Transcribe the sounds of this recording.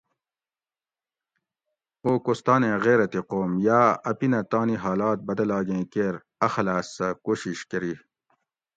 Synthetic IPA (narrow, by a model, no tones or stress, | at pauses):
oːkost̪aːnẽɣeːɾɐt̪iqoːmjaːɐpinɐt̪aːniɦaːlaːt̪̚bɐd̪ɐlaːɡẽkeɾ | ɐxɐlaːsɐkoːɕiɕkɐɾi